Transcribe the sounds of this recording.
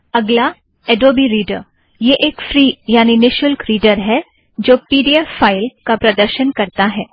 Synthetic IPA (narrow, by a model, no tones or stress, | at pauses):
ɐɡla | ɛɖoːbiɾiːɖə̰ɾ | jeʔeːkfɾiːjaːninɪʃəlkɾiːɖəɾɦɛ | d͡ʒoːpiːɖiɛːaːɪlkapɾɐd̪əɾʃənkɐɾt̪aɦɛː